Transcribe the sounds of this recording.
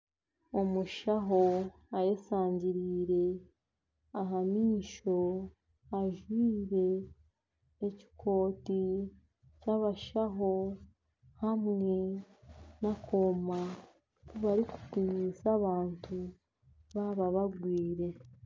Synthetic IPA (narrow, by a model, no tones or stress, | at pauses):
omuʃaɦo | ajesaːɲɟiɾiːɾe̞ | aɦamiːʃo̞ | aʒwiːɾe̞ | ci̥kʰo̞ːti | caβaʃaɦo̞ | hamŋe̞ | nakʰoma | kuβaɾiku̥puɲiːsaβaːntu | βaβaβaɡwiːɾe̞